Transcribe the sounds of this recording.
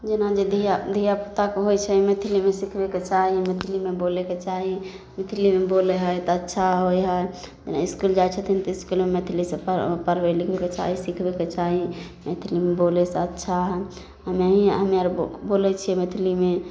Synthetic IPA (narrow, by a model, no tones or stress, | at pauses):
d͡ʒenad͡ʒed̪id̪ʱijaput̪akeɦojt͡ʃʰɛmet̪ʰilimesikʰbeket͡ʃaɦimet̪ʰilimeboleket͡ʃaɦi | met̪ʰilimeboleɦəjt̪ɔətːʃʰaɦojɦəj | d͡ʒenaiskuld͡ʒajt͡ʃʰət̪ʰint̪iskulmemet̪ʰilisepəpəɾbɛlikʰbeket͡ʃa̰ɦisikʰbeket͡ʃaɦi | met̪ʰilimebolɛseətːʃʰaɦə | ɦəməɦiɦəmaɾbolɛt͡ʃʰiɛmet̪ʰilime